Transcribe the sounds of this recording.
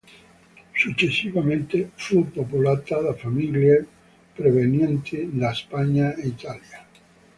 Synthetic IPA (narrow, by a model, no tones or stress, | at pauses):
sut͡ʃesiβamẽnt̪efupopulat̪aðafamilje | pɾeβenjent̪ʰidaespaɲaeit̪alja